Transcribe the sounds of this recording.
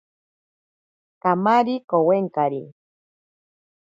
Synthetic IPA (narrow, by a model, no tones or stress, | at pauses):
kamaɾikoweŋkaɾi